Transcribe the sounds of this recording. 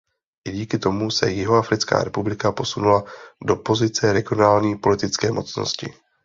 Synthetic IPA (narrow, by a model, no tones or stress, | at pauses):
ʔɪɟiːkɪt̪o̞musɛ̰jɪɦoafɾɪt͡ska̰ːɾɛpublɪkapo̞sunulado̞po̞zɪt͡sɛɾɛɡɪo̞naːlɲiːpo̞lɪt̪ɪt͡skɛːmo̞t͡sno̞̰scɪ̰